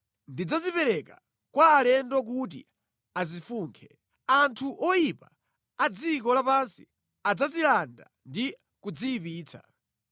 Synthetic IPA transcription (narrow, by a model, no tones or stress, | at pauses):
ndid͡zazipɛɾɛka | kwaːlɛndɔk̬ut̬ḭ | azifuːŋkʰɛ | antʰuʔɔjipa | ad͡zikɔlapansi̥ | ad͡zazilanda̰ | ndi | kud͡ziːpiːt͡sʰa̰